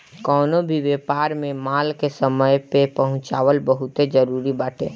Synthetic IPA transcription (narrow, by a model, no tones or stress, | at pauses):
kɔːnobʱiʋeːpaːɾmẽmaːlkesəməjpepəɦʊ̃t͡ʃaːwəlbəɦʊt̪ed͡ʒəɾuːɾibaːʈʰḛː